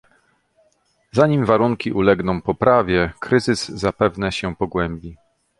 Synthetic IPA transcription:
zaɲimvaɾuŋkʲiʔulɛɡnɔ̃w̃pɔpɾavʲjɛkɾɘzɘzːapɛvnɛɕɛpɔɡwɛmbʲi

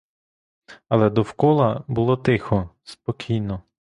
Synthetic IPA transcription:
ɐlˠɛd̪ɔwkɔlˠɐbulˠɔt̪ɪxɔspɔkʲʰijnɔ

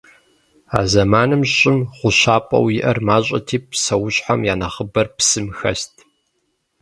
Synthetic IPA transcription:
a̰ːzɐmaːnɨmɕɕʼɪmχʷʊɕaːpʼɐ̰wjɪʔɐrmaːɕʼɐ̰tʰiːp̚ʰsɐwʊɕʼħamjaːnɐχəbɐrpsɨmxɐstʰʼ

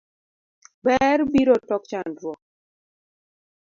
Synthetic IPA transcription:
bɛɾbiɾotɔkt͡ʃandɾwɔk̚

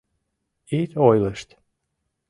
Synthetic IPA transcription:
it̪ojlˠəʃt̪

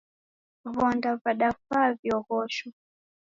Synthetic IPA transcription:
vɔndavaɗafavjɔhɔʃɔ

